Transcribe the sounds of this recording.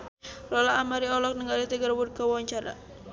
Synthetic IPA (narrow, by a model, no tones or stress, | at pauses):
lɔlaːmaɾiɔlɔk̚nəŋɡaldit̪əɡərwur̚kawaaɲt͡ʃaɾa̰